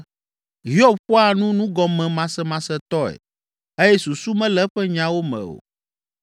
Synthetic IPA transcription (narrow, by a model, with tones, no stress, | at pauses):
ɦi˦ɔ˦˨b̚ɸɔ˦a˨nũ˦nũ˦ɡɔ˨mɛ̃˨mã˨sɛ˦mã˨sɛ˦t̪ɔ˦ɛ̰˨ | e˦jɛ˦su˨su˦mɛ̃˦lɛ˦ɸɛ˦ɲã˦wo˦mɛ̰̃˨o̰˨